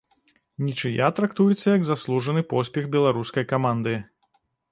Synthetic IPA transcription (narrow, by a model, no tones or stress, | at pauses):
nʲit͡ʂɨjat̪ɾakt̪ujɛt̪sːɐjɐɡzaslˠuʐɐnɨpɔsʲpʲɛɣbʲɛlˠaɾuskɐjkamand̪ɨ